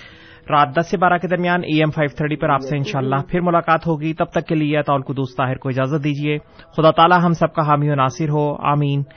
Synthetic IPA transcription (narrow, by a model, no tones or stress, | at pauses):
ɾaːt̪̚d̪ɐsːebaːɾaked̪ɐɾmijaːnʔiːɛːmfʰaːɪʋt̪ʰəɾʈipɐɾaːpseɪnʃaːlːaɦpʰɪɾmʊlaːkaːt̪ɦoːɡiːt̪ɐb̚t̪ɐkːelieɐt̪aːʊlkʊd̪uːst̪aːɦɪɾkoɪd͡ʒaːzət̪̚d̪iːd͡ʒieːxʊd̪aːt̪aːlaɦɐmsɐb̚kaɦaːmiʊnaːsɪɾɦoːa̰ːmiːn